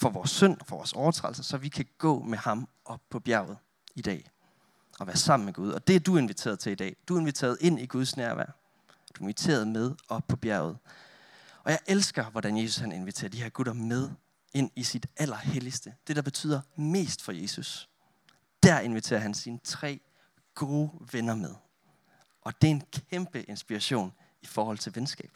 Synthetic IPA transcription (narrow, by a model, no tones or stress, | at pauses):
fɒ̽ʋɒːsːœn̰ɒfɒʋɒ̰ːsɒʊɐt͡sʰʁɑ̰̥lsɐsɒ̽ʋikʰæɡ̥ɔ̰̽ːmehɑ̈m | ʔɒ̽pʰɒ̽b̥jæɐʊð̞̩ˠ | id̥ɛ̰ː | ʔɒ̽ʋæːɐsɑ̈m̰n̩meɡ̥uð̞ˠɒ̽d̥e̝æɐd̥ue̝nʋit͡sʰe̝̰ːɐð̞ˠt͡sʰe̝lid̥ɛ̰ːd̥ue̝nʋit͡sʰe̝̰ɐð̞̩ˠe̝n̰iɡ̥uð̞ˠsnæɐʋæ̰ɐ̰ | d̥ue̝nʋit͡sʰe̝̰ːɐð̞ˠmeð̞ˠɒ̽pʰɒ̽b̥jæɐʊð̩ˠ | ɒ̽jɑ̈ɪʔelsɡ̥ɐʋɒd̥ænje̝su̥shæne̝nʋit͡sʰe̝̰ːɐd̥iheɐɡ̥uðˠɐmeð̞ˠ | e̝n̰isid̥æl̰ɐhelisd̥əd̥e̝ɾ̥ɑ̈b̥e̝t͡sʰy̰ːð̰ˠɐme̝̰ːsd̥fɒ̽je̝ːsus | d̥æɐe̝nʋit͡sʰe̝̰ːɐɦænsiːnət͡sʰʁɛ̰ː | ɡ̥o̝ːʋenɐmeðˠ | ʔɒ̽d̥e̝e̝nkʰemb̥əʔe̝nsb̥iʁɑɕo̝̰ːn | ifɒːhɒ̽l̰t͡sʰe̝lʋensɡ̥ɛ̰ːb̥